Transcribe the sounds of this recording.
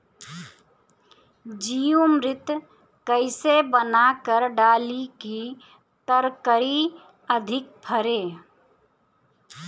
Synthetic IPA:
d͡ʒijomɾɪt̪ | kəɪsebənakəɾɖaːliki | t̪əɾkəɾi | əd̪ʱɪk̚pʰəɾeː

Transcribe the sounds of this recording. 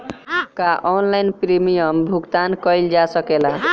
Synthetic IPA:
kaʔɔnlajnpɾimijʌmbʱuɡt̪ankʌjld͡ʒasʌkela

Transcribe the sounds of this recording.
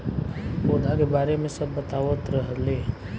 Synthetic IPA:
oːd̪ʱakebaːɾemẽsəbːət̪aːʋət̪ɾəɦəle

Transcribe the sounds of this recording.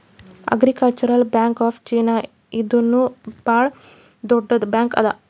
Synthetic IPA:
ɐ̰ɡɾikɐlt͡ʃɐɾɐlbjaːŋkaːpʰt͡ʃiːna | id̪ɐnːubaːɭ | d̪ɔɖːɐd̪ubjaːŋkɐ̰d̪ɐ̰

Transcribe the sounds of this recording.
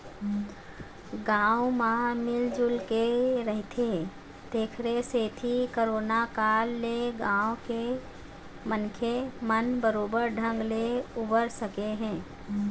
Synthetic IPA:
ɡãːwmãmɪld͡ʒʊlkeɾəɦt̪ʰe | d̪̥eːkʰɾeset̪ʰikoɾoːnakaːlːeɡãːwke | mənkʰemənbəɾoːbəɾɖʱə̃ŋɡleʊbəɾsəkeɦɛ̃ː

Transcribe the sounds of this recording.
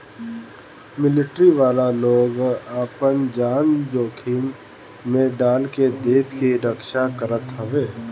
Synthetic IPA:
mɪlɪʈɾiʋaːlaloːɡaːpənd͡ʒaːnd͡ʒoːkʰimː | ẽɖaːlked̪eːt̪ʰkiɾəkʃakəɾət̪ɦəʋeː

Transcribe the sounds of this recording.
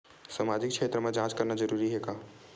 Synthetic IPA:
samad͡ʒik̚t͡ʃʰet̪ɾəmed͡ʒãt͡ʃkəɾnad͡ʒəɾuɾiɦeka

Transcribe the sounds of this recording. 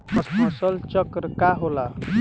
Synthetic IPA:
əsməsəlt͡ʃəkɾkaɦola

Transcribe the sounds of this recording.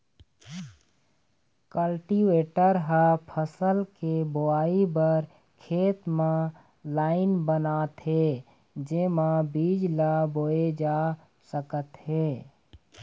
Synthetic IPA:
kəlʈiweːʈəɾɦapʰəsəlkeboaːibəɾ | kʰeːt̪mã | laːɪnbənaːt̪ɦe | d͡ʒemãbiːd͡ʒlaboːed͡ʒaː | səkət̪ɦeː

